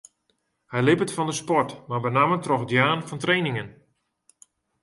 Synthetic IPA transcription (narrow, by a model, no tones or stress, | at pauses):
hɛjlɪpətfɔndəspɔrtmabənamətrɔxdjaːnfɔntrejnɪŋən